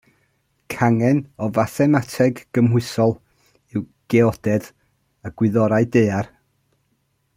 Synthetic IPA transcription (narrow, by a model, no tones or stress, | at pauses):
kʰaŋɛnɔvaθɛmatʰɛɡ̥ːəmɦʊɨsɔlˠ | ɪw | ɡ̥ɛɔd̥ɛð | əɡ̥wɪðɔɾaɨdejar